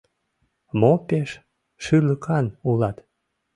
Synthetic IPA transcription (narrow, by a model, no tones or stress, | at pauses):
mopeʃ | ʃyləkʰɑnulɑt̪